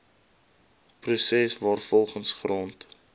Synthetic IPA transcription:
prusɛsvɑːrfɔlˠχənsχrɔnt

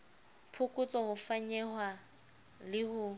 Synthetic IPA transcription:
pʰʊkʼʊt͡sʼɔhʊfaɲɛhwa | lɪhʊ

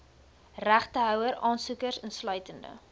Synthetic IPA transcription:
ræχtəɦœwəɾɑːnsukərsənslœɥtəndə̰

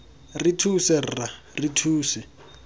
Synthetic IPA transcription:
ritʰusɛrra | ritʰuːsɛ

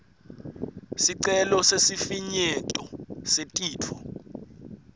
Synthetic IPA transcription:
siǀɛlɔsesifiɲɛtʼɔsetʼiːtʰɔ

